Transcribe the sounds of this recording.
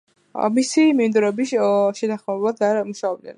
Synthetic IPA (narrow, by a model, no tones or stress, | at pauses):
misimind̪uɾɛbiʃɛt̪ʰaχmɛbad̪amuʃaɔb̚d̪ɛ̰n